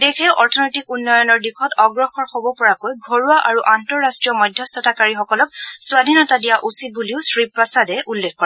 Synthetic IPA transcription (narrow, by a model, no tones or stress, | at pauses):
dexʰɛʊʔɔɹtʰɔnɔjtikunːɔjɔnɔɹdixʰɔtɔɡɹɔxɔɹxobɔpɔɹakojɡʱoɹuaʔaɹuʔantɔɹːastɹijɔmɔjdʱjɔstɔtakaɹixɔkɔlɔk̚sʊwadʱinɔtadijaʔusitbuliʊsɹipɹɔsadɛʔulːekʰkɔɹa